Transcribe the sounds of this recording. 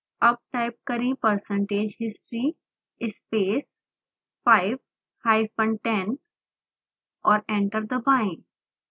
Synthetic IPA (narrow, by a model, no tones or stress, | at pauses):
ɐb̚ʈaɪp̚kɐɾĩpəɾsə̃ɳʈeːd͡ʒɦɪsʈɾi | ɪspeːs | faːɪʋ | haːɪfə̃ɳɖʈɛ̃n | ɔːɾɛ̃ɳʈəɾd̪əbãɪ̃